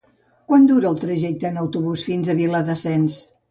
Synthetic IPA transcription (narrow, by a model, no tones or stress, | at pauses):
kwand̪uɾəːlˠt̪ɾəʒɛk̚t̪əːnəwt̪uβusfinzəβiləðəsɛns